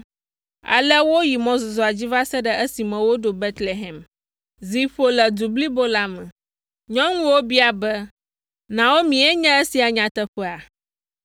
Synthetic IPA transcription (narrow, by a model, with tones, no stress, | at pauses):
a̰˨lɛ˦wo˦ji˨mɔ̃˦zo˨zɔ˨a˨d͡ʑi˦va˦sɛ˦ɖɛ˨ʔə˦si˨mɛ̃˨wo˦ɖo˨be˦t̪le˨ɦɛ˨m | zi˨ɸo˨lɛ˨d̪u˨bli˦bo˦la˦mɛ̃˨ | ɲɔ̃˦ŋũ˦wo˦bi˦a˨bɛ˦ | nã˨wo˦mĩ˨ɛ˦ɲɛ̃˦ə˦si˨a˨ɲã˨t̪ɛ˦ɸɛ˦a˨